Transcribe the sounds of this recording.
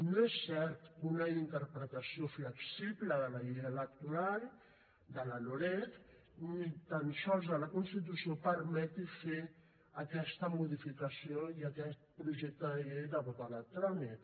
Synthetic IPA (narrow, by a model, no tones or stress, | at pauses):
noɛsːɛɾt̪unəint̪əɾpɾət̪asiofləksipləðələʎejələk̚t̪uɾal | d̪əlaloɾɛt̪ | nit̪anʃɔzələkunst̪it̪̬usiopəɾmɛt̪ife | əkɛst̪əmuðifikəsioiakɛt̪̚pɾuʒɛk̚t̪əðəʎejd̪əβot̪alət̪ɾɔnit̪